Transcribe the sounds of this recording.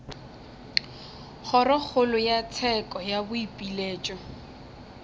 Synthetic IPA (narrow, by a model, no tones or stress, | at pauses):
χʰɔrɔk͡xʰʊlʊjat͡sʰɛkʼɔjabʊipʼileːt͡ʃʼɔ